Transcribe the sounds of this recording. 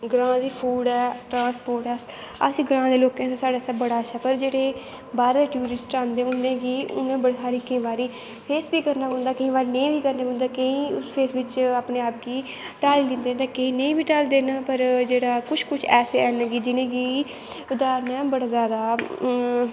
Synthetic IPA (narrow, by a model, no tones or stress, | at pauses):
ɡɾãːd̪iːpʰuːɖɛːʈɾãːspoːɾʈɛs | ə̰siːɡɾãːd̪eːloːkẽːt̪asaːɖaːsəbːəɽaːəʃʰaːpəɾd͡ʒeːɽeː | baːɾeːd̪eːʈjuːɾɪsʈãːnd̪eːʊnːẽːɡiːʊ̰nẽːbəɽasaːɾiːkəĩːbaːɾiː | pʰeːsbiːkəɾnaːõːnd̪aːkəĩːbaːɾiːnəĩːbiːkəɾneːbə̃ːnd̪aːkəĩːʊspʰeːsʋɪt͡ʃaːpneːaːp̚ɡiː | ʈaːliːlɪ̃nd̪eːt̪ẽːkəĩːnəĩːbiːʈaːld̪eːnaːpəɾd͡ʒeːɽaːkʊt͡ʃʰkʊt͡ʃʰɛːseːɛːnːɡiːd͡ʒɪnẽːɡiː | ʊd̪aːɾnɛ̃ːbəɽaːzjaːd̪aː